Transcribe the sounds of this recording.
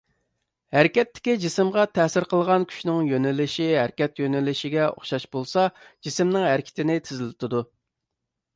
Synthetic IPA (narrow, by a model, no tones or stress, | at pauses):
hæɾkʲɛt̪ːɪ̥kʲid͡ʒisɪmʁɑt̪ʰɛsɪɾqʰəlˠəʁɑnkʲʰy̥ʃnɪŋjønɪlɪʃiɦæɾkʲɛt̪jønɛlɪʃɪɡʲɛo̰χʃɑʃbolˠsɑd͡ʒisɪmnɪŋɦæɾkʲʰɪ̥t̪ʰɪnɪt̪ʰɪzɪlɪt̪ʰɪd̪u